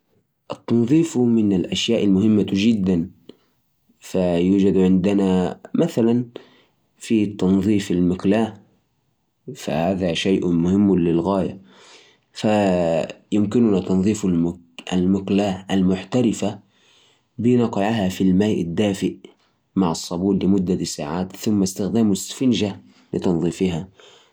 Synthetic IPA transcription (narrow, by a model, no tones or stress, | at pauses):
ʔɑt̪ːɑnðˤiːfmɪnɪlʔaʃjaːʔalmʊhɪmːad͡ʒɪd̪ːan | fajuːd͡ʒad̪ʕɪnd̪ɪnamaθalan | fit̪ːɑnðˤiːfalmɪklaːh | fa̰haːðaʃajʔmʊhɪmːlɪlɣaːja | fa | jɪmkɪnʊnat̪ɑnðˤiːflm | ʔalmʊklaːhalmʊħt̪aɾɪfa | bɪnɑqɪʕaɦafilmaːjʔɪd̪ːaːfɪʔ | maʕɑsˤːɑbuːllɪmʊd̪ːasa̰ːʕaːt̪θʊmːast̪ɪxd̪aːmʊsfɪnʒa | lɪ̰t̪ɑnðˤiːfiɦa